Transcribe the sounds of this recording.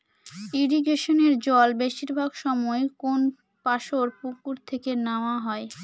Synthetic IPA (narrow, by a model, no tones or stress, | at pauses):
iɾiɡeʃoneɾd͡ʑɔlbeʃiɾbʱaɡʃɔmɔekon | paʃoɾpukːuɾt̪ʰekenaoaɦɔe